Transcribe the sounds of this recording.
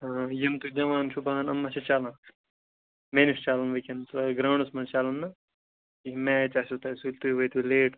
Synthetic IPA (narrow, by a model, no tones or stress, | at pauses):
jɐmt̪ud͡ʒɐʋaːnʃubʱaːnɐmːɐt͡ʃʰɐt͡ʃaːlãn | menist͡ʃaːlɐnʋɐkʲɐnt̪ɐɡɾaːɳusmɐnt͡ʃaːlɐnːɐ | imɛːt͡ʃasut̪aːsulʲt̪ujʋɐjt̪uleːʈ